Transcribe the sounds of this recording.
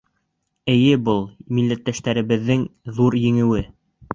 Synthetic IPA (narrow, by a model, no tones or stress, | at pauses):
ɘ̆jɘbɤlˠmilːæt̪ːæʃt̪æɾɘ̆βɘ̆ðːɘŋðuɾjɘ̆ŋɘ̆wɘ